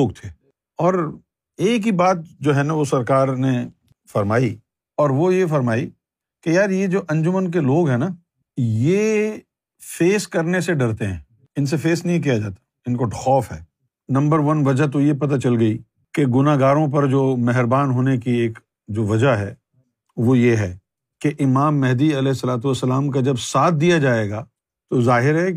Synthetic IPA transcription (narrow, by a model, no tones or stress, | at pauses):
oːɡt̪ʰeː | ɔːɾ | eːk̬ɦibaːt̪̚d͡ʒoːɦɛnaʋosɐɾkaːɾne | fɐɾmaːi | ɔːɾʋojefɐɾmaːi | kejaːɾjed͡ʒoːʔɐ̃ɲd͡ʒʊmənk̬eloːɡɦɛ̃ːna | je | feːskɐɾneseɖɐɾt̪eɦɛ̰̃ː | ɪns̬efeːsnɐɦĩk̬ijad͡ʒa̰ːt̪ḁ | ɪnkoɖxɔːfɦɛː | nɐ̃mbəɾʋɐnʋɐd͡ʒat̪̬ojep̬ɐt̪at͡ʃɐlɡɐi | keɡʊnaɡaːɾõp̬ɐɾd͡ʒoːmɛɦɾbaːnɦoːnekieːk | d͡ʒoːʋɐd͡ʒaɦɛ̰ː | ʋojeɦɛː | keʔɪmaːmːɛɦd̪iɐlɛːɪsːɐlaːt̪̬uɐsːəlaːmk̬ad͡ʒɐbsaːt̪̚ʰd̪ijad͡ʒaːeɡaː | t̪ozaːɦɪɾɦɛ